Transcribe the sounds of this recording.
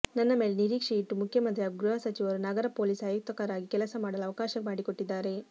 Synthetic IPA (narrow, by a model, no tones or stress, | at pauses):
nɐnːɐme̞ːleniɾiːkʂiiʈːumukʰjɐmɐnd̪ʰjaːɡɡɾuɦɐsɐt͡ʃiʋɐɾunɐɡɐɾɐpoːliːsaːjuk̚t̪ɐkaːɾaːɡikɛlɐsɐmaːɽɐlɐʋɐkaːʃɐkmaːɽikoʈːid̪ːaːɾe̞